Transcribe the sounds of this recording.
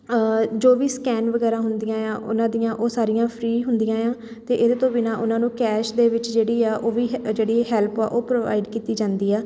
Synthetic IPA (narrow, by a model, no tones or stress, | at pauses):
d͡ʒoːʋiːskɛːnʋəɡɛːɾãːɦʊnd̪ɪjãːjãːʔʊ̰nãːd̪ɪjãːʔoːsaːɾɪjãːpʰɾiːɦʊnd̪ɪjãːjãː | t̪eːʔɪd̪eːt̪õːbɪnaːʔʊnãːnũːkɛːʃd̪eːʋɪt͡ʃd͡ʒeːɽiːaːʔoːʋiːd͡ʒeːɽiːɦɛːlpa̰ːʔoːpɾoːʋa̰ːɪɖkiːt̪iːd͡ʒãːnd̪iːɛː